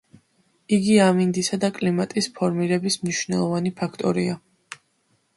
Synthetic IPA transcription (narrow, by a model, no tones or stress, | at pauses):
iɡiamind̪isad̪akʼlimat̪ʼispʰɔɾmiɾɛbismniʃwnɛlˠɔvanipʰakʰt̪ʼɔɾia